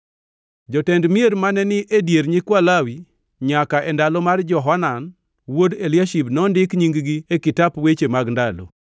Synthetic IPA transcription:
d͡ʒɔtɛndmieɾmanɛnɪʔedjeɾɲɪkwalawi | ɲakaʔɛndalɔmard͡ʒɔɦanan | wodeljaʃibnɔndɪkɲiŋɡɡiekɪtapwet͡ʃemaɡndalo̰

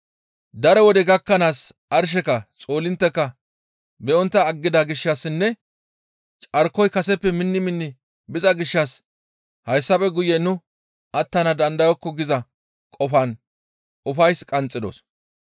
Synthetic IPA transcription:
d̪ɐɾɛwɔd̪ɛɡɐkːɐnaːs | ɐɾʃ̬ɛkɐt͡sʼo̞ːlɪnt̪ːɛkːɐ | bɛɔnt̪ːɐːɡːɪd̪aɡɪʃːɐsːɪnːɛ | t͡ʃʼɐɾkːɔjkɐsɛpːɛmɪnːɪmɪnːɪ | bɪzɐɡɪʃːɐs | hɐjsːɐpɛɡʊjːɛnʊ | ɐt̪ːɐnɐd̪ɐnd̪ɐjɔkːɔɡɪzɐ | kʼɔfɐn | ʔʊfɐjskʼɐnt͡sʼːɪd̪o̰s

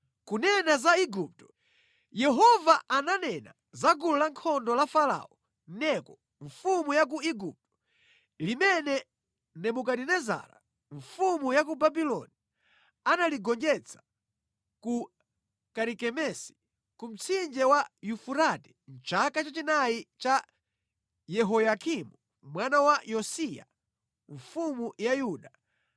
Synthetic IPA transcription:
kunɛnazaiɡup̚tɔ̥ | jɛɦɔvaananɛna̰ | zaɡululaŋkʰɔndɔlafala̰ɔ | nɛkɔ | ɱfumujak̬uiɡup̚tɔ̥ | limɛnɛ | nɛmukadinɛza̰ɾa̰ | ɱfumujakubabilɔni | analiɡɔnd͡ʒɛt͡sʰḁ | ku | kaɾikɛmɛsi̥ | kum̩t͡sʰind͡ʒɛwajufuɾatɛ̥n̩t͡ʃakat͡ʃat͡ʃinajit͡ʃa | jɛɦɔjakimu | mwanawajɔsija̰ | ɱ̩fumujajuːɗa

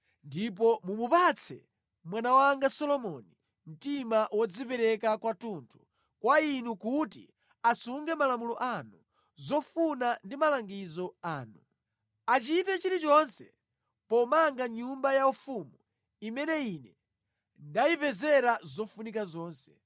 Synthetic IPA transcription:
ndip̬ɔmumupat͡sʰɛ̰ | mwanawaŋɡasɔlɔmɔni | m̩timaʔwɔd͡zipɛɾɛkakwatuntʰu̥ | kwainukutḭ | asuŋɡɛmalamulɔʔanu | zɔfunandimalaŋɡizɔaːnu | at͡ʃitɛt͡ʃiɾit͡ʃɔnsɛ | pɔmaŋɡaɲumbajaufumu | imɛnɛinɛ | ndaipɛzɛɾazɔfunikazɔːnsɛ̥

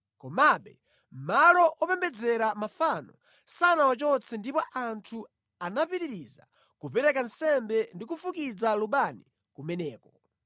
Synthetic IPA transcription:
kɔmaɓɛ̰ | m̩malɔʔɔpɛmbɛd͡zɛɾamafanɔ | sanawat͡ʃɔt͡sʰɛndipɔʔantʰu | anapiɾiɾiza̰ | kupɛɾɛkansɛmbɛndikufukid͡zaluɓani | kumɛnɛːkɔ

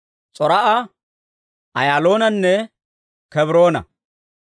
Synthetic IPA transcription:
t͡sʼɔɾɐʔɐ | ʔɐ̰jaːlo̞ːnɐnːɛ | kɛbɾo̞ːnɐ̰

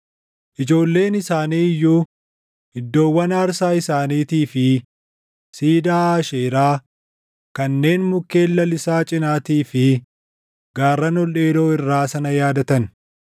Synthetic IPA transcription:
ʔɪd͡ʒo̞ːlːe̞ːnɪsaːniːɪjːuː | hɪd̪ːo̞ːwːɐnaːɾsaːɪsaːniːt̪iːfɪ | siːd̪aːaːʃeːɾaː | kɐnːe̞ːnmʊkːe̞ːlːɐlɪsaːt͡ʃʼɪnaːt̪iːfɪ | ɡaːrːɐnɔle̞ːd̪o̞ːɪrːaːsɐnɐjaːd̪ɐt̪ɐn

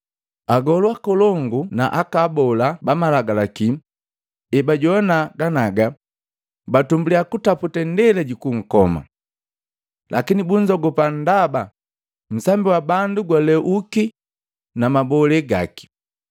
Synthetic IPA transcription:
aɡɔlwakɔlɔŋɡuna̰ʔakabɔlabamalaɡalakim | ɛbaɟɔnaɡanaɡa | batumbuliakutaputɛndɛlɛɟikuŋ̩kɔma̰ | lʔa̰kinibuɲd͡ʒɔɡɔpan̩daba | m̩sambiwabanduɡwalɛʔuki | namabɔlɛɡaki̥

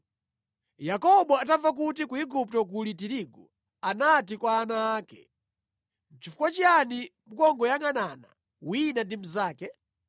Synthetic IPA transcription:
jakɔɓɔatavak̬utikuiɡup̚tɔk̬ulitiɾiɡɔ | anatikwaːnaːkɛ̰ | t͡ʃifu̥kwat͡ʃianimukɔŋɡɔjaŋanana̰ | winandim̩zaːkɛ

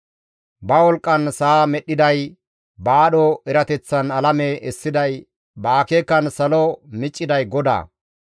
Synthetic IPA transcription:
bɐwɔlkʼːɐnsɐamɛɗːɪd̪ɐj | baːɗɔɛɾɐt̪ɛt͡sːɐnɐlɐmeʔɛsːɪd̪ɐj | baːkeːkːɐnsɐlɔmɪt͡ʃʼːɪd̪ɐjɡɔd̪a̰ː

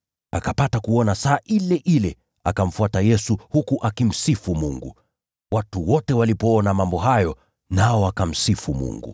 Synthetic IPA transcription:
akapatakuɔnasaːʔilɛʔilɛ | a̰kam̩fuatajɛsuhukuʔakim̩sifumuŋɡṵ | watuwɔtɛwalipɔɔnamambɔɦajɔ | naɔakam̩sifumṵŋɡṵ

